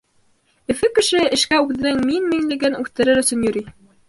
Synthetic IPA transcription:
ɘ̆fɘkɘ̆ʃɘɘ̆ʃkæʉðɘ̆nɘŋminmiŋlɘ̆ɡɘnʉθt̪ɘ̆ɾɘɾɵ̆sɵ̆njɵ̆ɾi

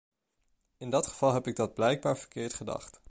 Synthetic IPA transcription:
ɪndɑtχəv̥ɑlˠɦɛpɪɡ̚dɑd̚blɛjɡ̚baːɹv̥əɹkɪːɹtχədɑ̰χt

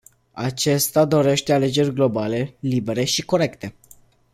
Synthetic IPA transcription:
at͡ʃe̞st̪ad̪o̞ɾe̞ʃt̪e̞ale̞d͡ʒe̞rʲɡlo̞bale̞libe̞ɾe̞ʃiko̞ɾe̞kt̪e̞

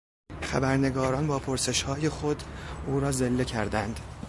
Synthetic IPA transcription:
χæbæɾne̞ɡɒːɾɒːnbɒːpʰoɾse̞ʃhɒːje̞xod̪uːɾɒːzelːe̞cʰæɾd̪ænd̪̥

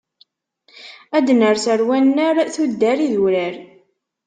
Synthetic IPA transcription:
æd̪nəɾθəɾwænːəɾθud̪ːæɾiðuɾəɾ

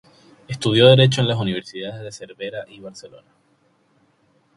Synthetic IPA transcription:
est̪uð̞jo̞ðe̞ɾe̞t͡ʃo̞e̞nlas̬uniβe̞ɾsiðaðezðe̞se̞ɾβe̞ɾaʔiβaɾse̞lo̞̰na

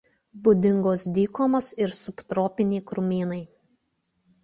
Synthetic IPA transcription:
bʊd̪ʲɪŋɡoːsd̪ʲiːkoːmoːsɪɾsʊpt̪ɾoːpʲɪnʲiːkɾʊmʲiːnɐɪ

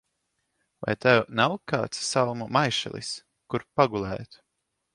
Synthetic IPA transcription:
va̰jt̪ɛwnawkaːt̪sːalˠmumajʃɛ̰lˠḭs | kuɾpaɡulˠæ̰ːjt̪

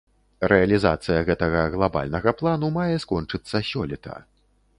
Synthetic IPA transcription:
ɾɛɐlʲizat̪sɨjɐɣɛt̪ɐɣɐɣlˠaba̰lʲnɐɣɐplˠanumajɛskɔnt͡ʂɨt̪sːɐsʲɔlʲɛt̪ʰɐ̰

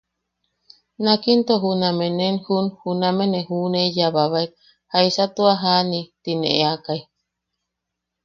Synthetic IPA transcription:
nakint̪oɦunamẽnenhunhunamenẽhunejaβaβaek̚ | haisat̪uaɦanit̪inḛ̃ʔeakai

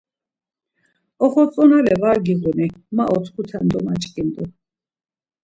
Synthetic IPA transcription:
ɔχɔt͡sʼɔnalɛvaɾɡiʁunimaʔɔt̪ʰkʰut̪ʰɛnd̪ɔmat͡ʃʼkʼind̪u

